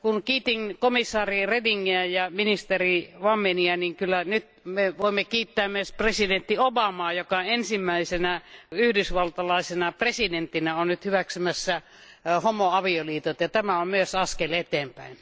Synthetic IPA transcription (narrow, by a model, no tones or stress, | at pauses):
kunkiːt̪iŋkomisːɑːrirediŋːiæjɑminist̪eriʋɑmːeniæniŋkylːænyt̪ | meʋoˑimːekiːt̪ːæːmmyøspresident̪ːiobɑmɑːjokɑensimːæisenæyhdysʋɑlt̪ɑlɑˑisenɑpresident̪ːinæonnyt̪hyʋæksymæsːæ | homoɑʋioliːt̪ot̪jɑt̪æmæommyøsɑskelet̪eːmpæ̰in